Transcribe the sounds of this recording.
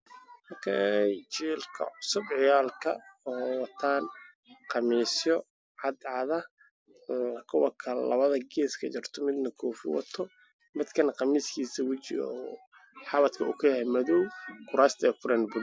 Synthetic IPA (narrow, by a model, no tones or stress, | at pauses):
hɔkʰɛjt͡ʃiːlkʰɐ̰ʕʊsʊbʕɪjaːlkʰɐɔːwɑt̪ʰaːn | qɑmiːsjɔ | ʕɑd̪ʕɑðɐ | kʰɔwɐkʰɐllɐβɐðɐɡɛːskʰɐt͡ʃɪrt̪ʰɔmɪd̪nɐkʰɔːfɪwɑ̰t̪ʰɔ | mɪd̪kʰɐnɐqɑmiːskʰiːsɐwɪt͡ʃɪ̰ | ħɑβɐt̪kʰɐʊkʰɐjɐhɛmɐðɔwkʊɾaːst̪ʰɛːkʰʊɾɛːnbʊd̪